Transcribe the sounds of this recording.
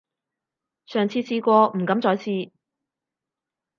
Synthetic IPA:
sœː˨ŋt͡sʰiː˧t͡sʰiː˧kʷɔː˧m̩˨˩kɐ˨˥mt͡st͡ʃɔː˨˥jt͡sʰiː˧

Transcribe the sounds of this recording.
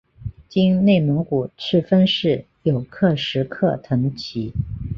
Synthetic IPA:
t͡ɕi˥ŋne˥˩ɪmə˧˥ŋku˨˩ʈ͡ʂʰɻ̩˥˩fə˥nʂɻ̩˥˩ | jo˨˩ʊkʰɤ˥˩ʂɻ̩˧˥kʰɤ˥˩t̪ʰɤ˧˥ŋt͡ɕʰi˧˥

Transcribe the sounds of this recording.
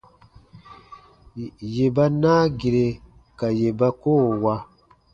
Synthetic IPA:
je˨ba˦naː˦ɡi˨ɾe˨ | ka˨je˨ba˦koː˦˨wa˦

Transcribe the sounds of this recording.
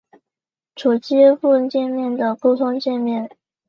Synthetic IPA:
ʈ͡ʂʰu˨˩t͡ɕi˥fu˥˧t͡ɕjɛ˥˧nmjɛ˥˩nd̪ə˩pu˥˩t̪ʰʊ˥ŋt͡ɕjɛ˥˧nmjɛ˥˩n

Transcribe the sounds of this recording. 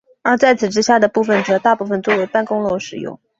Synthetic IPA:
ə˥˧˩t͡sa˥˩ɪt͡sʰɹ̩˨˩ʈ͡ʂɻ̩˥ɕja˥˩d̪ə˩pu˥˩fə˨˩nʈ͡ʂɤ˨˩˦t̪a˥˧pu˥˩fə˨nt͡swɔ˥˩we˧˥ɪpa˥˩nkʊ˥ŋlo˧˥ʂɻ̩˨˩jʊ̰˥˩ŋ

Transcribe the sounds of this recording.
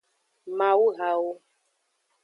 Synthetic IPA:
mã˨wu˦ɣa˨wo˦

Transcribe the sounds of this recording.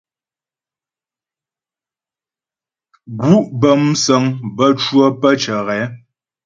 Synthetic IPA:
ɡu˦ʔbə˨msə˨˦ŋbə˦t͡ʃwə˦pə˦t͡ʃə˨ɣɛ˨˦

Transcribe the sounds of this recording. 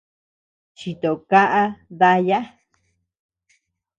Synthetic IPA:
t͡ʃi˨t̪o˨ka˦ʔa˦ða˧ja˦

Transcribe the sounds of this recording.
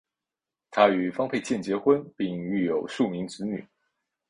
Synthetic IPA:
t̪ʰa˥y˨˩fɑ˥ŋpʰe˥˧ɪt͡ɕjɛ˥˩nt͡ɕjɛ˨˧˥xwə˦npi˥˧ŋy˥˩jo˨˩ʊʂu˥˩mi˧˥ŋt͡sɻ̩˧˥ny̰˨˩˦

